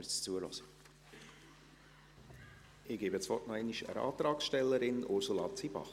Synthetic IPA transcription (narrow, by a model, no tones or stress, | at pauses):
ət͡suəlɔ̰sə̥ | ɪɡ̥eːbət͡svɔtnæɪniʃə̰ɾɑ̰ːt̪ɾɑːksʃtɛlːəɾɪnʊɾsulɑːt͡siːb̥ɑ̰χ